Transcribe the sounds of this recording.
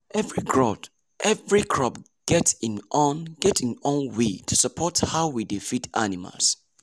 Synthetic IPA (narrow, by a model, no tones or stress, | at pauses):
ɛvɹikɹɔd | ʔɛvɹikʰɹɔp | ɡ̥ɛtĩnʔɔ̃nɡ̥ɛtĩnɔ̃nwetʰusəpʰɔthaʊwidifita̰nima̰lˠs